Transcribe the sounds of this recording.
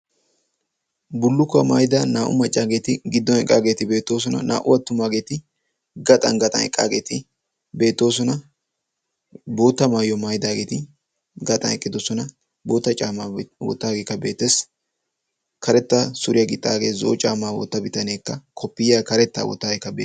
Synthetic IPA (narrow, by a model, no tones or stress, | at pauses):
bʊlːʊkːɐmɐjd̪ɐnaːʔʊ̰mɐt͡ʃʼːaːɡe̞ːt̪ɪɡɪd̪ːɔnɛkʼːaːɡeːt̪ɪbe̞ːt̪ːo̞ːs̬ɔnɐ̰na̰ːʔʊwɐt̪ːʊmaːɡe̞ːt̪ɪ | ɡɐt̪ʼɐ̰nɡɐt̪ʼɐ̰nɛ̰kʼːa̰ːɡe̞ːt̪ɪ | be̞ːt̪ːo̞ːs̬ɔnɐ | bo̞ːt̪ːɐmaːjɔmɐjd̪aːɡe̞ːt̪ɪ | ɡɐt̪ʼɐ̰nɛkʼːɪd̪ɔsɔnɐ | bo̞ːt̪ːɐt͡ʃʼaːmawɔ̰t̪ːaːɡeːkːɐbeːt̪ːes | kʰɐɾɛt̪ːasʊɾɪjɐɡɪt̪ʼːaːɡeːzo̰ːt͡ʃʼaːmaːwɔ̰t̪ːɐbɪt̪ɐne̞ːkːɐkʰɔpːɪjaːkɐɾɛt̪ːa̰ːwɔ̰t̪ːaːɡekːɐbḛ